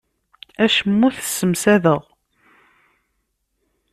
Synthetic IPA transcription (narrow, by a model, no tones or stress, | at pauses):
æʃmːʊθə̥sːəmsæðəʁ